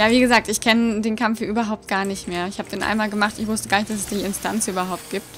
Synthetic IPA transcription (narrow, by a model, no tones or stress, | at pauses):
jaːviːɡəzaːk̚tɪçkʰɛnədeːnkʰamfjaʔyːbɐɦaʊppt̚ɡ̥aːɐnɪçtmeːɐɪçhaːbəd̥eːnʔa̰ɪnmaːlɡəmaχtɪçv̥ʊstəɡaːɐɪçtd̥as̬ɛsd̥iːɪnstʰant͡sʔyːbɐɦaʊp̚t̚ɡ̥iːp̚t